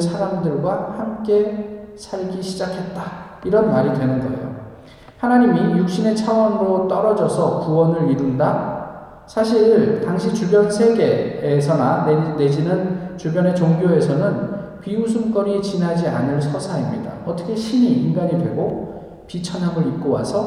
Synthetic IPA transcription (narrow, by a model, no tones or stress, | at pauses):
sʰaɾamdɯɭɡwahamk͈e̞sʰaɭɡiɕʰid͡ʑakʰe̞t̚t͈aiɾʌnmaɾidwe̞nɯnɡʌḛjo̰ | hanaɲimijuk̚ɕ͈ine̞t͡ɕʰawʌnɾot͈ʌɾʌd͡ʑʌsʰʌkuwʌnɯɾiɾunda | sʰaɕʰiɭtaŋɕʰit͡ɕubjʌnsʰe̞ɡe̞ːsʰʌnane̞d͡ʑinɯnt͡ɕubjʌne̞t͡ɕoŋɡjoe̞sʰʌnɯnpiusʰumk͈ʌɲit͡ɕinɦad͡ʑia̰nɯɭsʰʌsʰaimɲida̰ʌt͈ʌkʰe̞ɕʰimiːmɡaɲidwe̞ɡo | pit͡ɕʰʌnɦaɡoip̚k͈owa̰sʰʌ